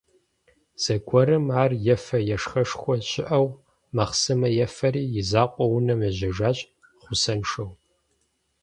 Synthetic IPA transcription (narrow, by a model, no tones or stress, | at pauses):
z̥ɐɡʷʰɔɾɨmaːrjɛfɐjɛʂxɐʂxʷɔɕɪʔɐw | mɐχsɨmɐjɛfɐɾiːjɪzaːqʷʼɔwʊnɐmɐʑɐʒaːɕʼ | χʷʊsɐnʂɐw